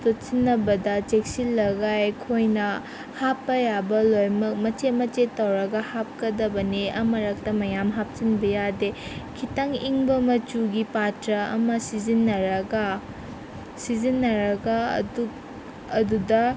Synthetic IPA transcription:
tot̚sinːɐbɐdɐt͡ʃek̚silːɐɡajkʰojnɐ | hapːɐjabɐlojmɐk̚mɐt͡ʃemɐt͡ʃetːɐwɾɐɡɐhap̚kɐdɐbɐniɐmɐɾɐk̚tɐmɐjamɦap̚t͡ʃinbɐjadekʰitɐŋiŋbɐmɐt͡ʃuɡipatɾɐɐ̰mɐsizinːɐɾɐɡa | sizinːɐɾɐɡaɐ̰duk | ɐdudɐ

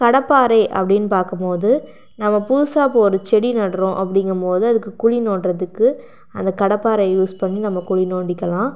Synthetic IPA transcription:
kɐɽɐpːaːɾɐɪʔɐ̰pːɐɽɪnːpaːɾkɐmpoːðɯ | nɐmːɐpuːsaːpoːɾɯt͡ʃɛɽinɐɽɾõːʔɐpːɐɽɪŋɡɐmpoːðɯɐðɯkːɯkʊɻinoːɳɾɐðɯkːɯ | ɐ̰nd̪ɐkɐɽɐpːaːɾɐɪjuːspɐɳːinɐmːɐkʊɻinoːɳɖɪkːɐlãː

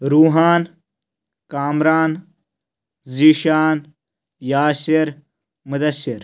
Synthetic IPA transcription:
ɾuːɦaːn | kaːmɾaːn | ziːʃaːn | jaːsiɾ | mud̪ɐsːɪɾ

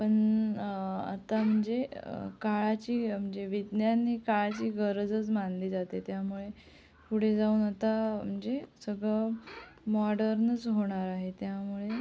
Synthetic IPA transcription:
pəɳ | a̰t̪am̤əɳd͡zekaɭat͡ɕiːm̤əɳd͡zeʋid̪njanikaɭat͡ɕiːɡəɾəd͡zət͡smanliːd͡zat̪et̪jamuɭe | puɽ̤ed͡zauːnat̪am̤əɳd͡zesəɡɭəmɔɽəɾnət͡sɦoɽ̃aɾaɦet̪jamuɭe

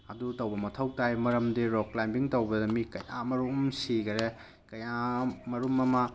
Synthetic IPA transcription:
ɐdutɐwbɐmɐtʰɐwtajmɐɾɐmdiɾɔklajmbiŋtɐwbɐdɐmikɐjʔamɐɾumsiɡɐɾe | kɐjamɐɾumɐmɐ

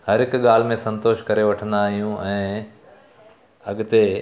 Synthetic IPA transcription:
hɐɾɪkɠaːl̤mẽsɐ̃nt̪oːʃkɐɾeʋɐʈʰə̃nd̪aːɦijũɛ̃ː | ɐɠt̪e

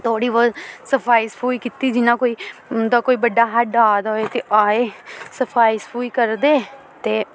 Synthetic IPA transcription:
t̪ʰoːɽiːʋoːsəpʰaːispʰuːikit̪iːd͡ʒɪnãːkoːiːd̪aːkoːiːbəɖːaːɦəɖaːd̪oːeːt̪eːʔaːeːsəpʰaːispʰuːiːkəɾd̪eː | t̪eː

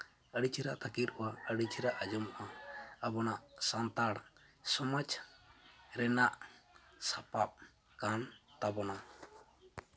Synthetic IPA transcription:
əɽit͡ʃʰiɾaʔt̪ʰakit̪ɔwaəɽit͡ʃʰiɾaʔəd͡ʒɔmaʔaəbɔnaʔsant̪aɽ | sɔmad͡ʒ | ɾɛnaʔsapap̚ | kant̪abɔna

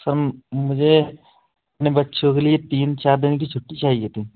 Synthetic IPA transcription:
səɾmʊd͡ʒʱe | ɐpnebɐtːʃʰokelijet̪iːnt͡ʃaːɾd̪ɪnk̬it͡ʃʰʊʈːit͡ʃaːɦiet̪ĩː

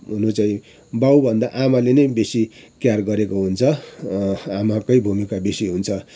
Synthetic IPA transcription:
ɦunot͡saĩ | bawbʱʌnd̪aʔamalenʌjbesikjarɡʌɾekoɦunt͡sʰʌ | amakʌjbʱumikabesiɦunt͡sʰʌ

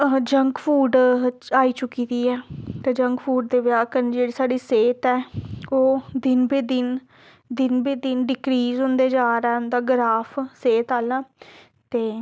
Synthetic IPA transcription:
d͡ʒəŋkpʰuːɖaːiːt͡ʃʊkiːd̪iːɛːt̪eːd͡ʒə̃ŋkpʰuːɖd̪eːʋjaːkənd͡ʒeːɽiːsaːɖiːseːt̪ɛːoːd̪ɪnbiːd̪ɪn | d̪ɪnbiːd̪ɪnɖɪkɾiːzɦʊ̃nd̪eːd͡ʒaːɾɛːʊnd̪aːɡəɾaːpʰseːt̪aːlãː | t̪eː

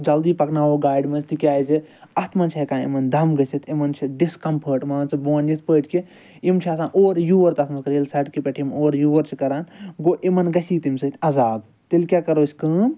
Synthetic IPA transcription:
d͡ʒɐld̪iːpɐknaːoɡaːiɖmɐt͡ʃʰt̪ikʲaːiziɐst̪ʰmɐnt͡ʃʰekãːḭmɐnd̪ʱɐmɡɐsit̪ʰimɐnt͡ʃʰiɖiskɐmpʰəʈmãːnt͡sɐboːnjit̪̚pəːt̪ki | imt͡ʃʰiɐsãːnʔoːɾjuːʋɐɾt̪ɐst̪mɐskɐɾilsɐʈkipʲeʈʰimoːɾjuːʋɐɾt͡ʃʰikɐɾaːnɡoʔimɐnɡɐsiːt̪imsɨt̪ʰʲɐzaːb | t̪ilkʲakɐɾoːsʰʲkəːm

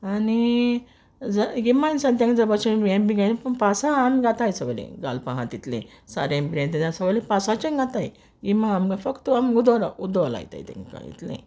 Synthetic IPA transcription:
ani | d͡zəɡimansãnt̪jãŋkd͡zəbat͡ɕəbembiɡajnipəɳpasaamɡat̪ajsəʋlḛ̃ɡa̰lpaɦãt̪it̪lḛ̃ | sa̰ɾẽmbɾãnt̪id̪ãsəʋəlẽpasat͡ɕənɡat̪aj | ɡimãamɡafəkt̪əamɡud̪aɾud̪ala̰jt̪a̰jt̪ḛ̃ŋka̰ḭt̪lḛ̃

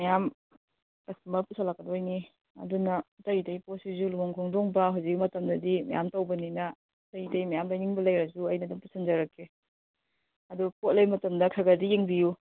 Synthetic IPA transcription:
mɐjam | kɐstumɐɾpusʰalakːɐdojni | ɐ̰dunɐtɐjitɐjposizuluoŋkʰoŋdoŋbɐɦuwzik̚mɐtɐmdɐdimɐ̰ja̰mtɐwbɐninɐ | tɐitɐjmɐjamlaniŋbɐlɐjɾɐzuɐjnɐduŋpusʰɐnd͡ʒɐɾɐkːe | ɐdupot̚lejmɐtɐmdɐkʰɐɡɐdieŋbiju

